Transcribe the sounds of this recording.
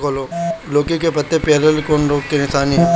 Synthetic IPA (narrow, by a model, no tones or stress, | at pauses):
kʰoːloːloːkikepɐt̪ːepeːɾəlkoːnɾoːkkenɪsaːni